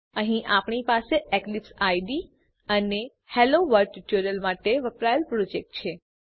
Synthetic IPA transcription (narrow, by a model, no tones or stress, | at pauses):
əɦĩʔapɳipaseʔeklipsajɖi | əne | heloʋəɾɖ̚ʈuʈuɾəlmaʈeʋəpɾajlpɾɔd͡ʒek̚ʈ̚t͡ʃʰe